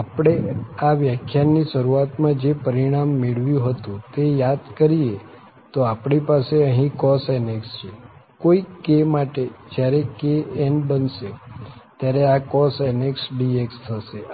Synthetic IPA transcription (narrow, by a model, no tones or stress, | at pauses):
apɽ̃eaʋjakʰjaniʃəɾuat̪mãd͡ʒepəɾiɽ̃amːeɭʋjũɦət̪ũt̪ejad̪kəɾie | t̪oapɳipaseəɦĩkɔsenekst͡ʃʰekoikemaʈed͡ʒjaɾekeenbənʃet̪jaɾeakɔseneksɖiekst̪ʰəʃe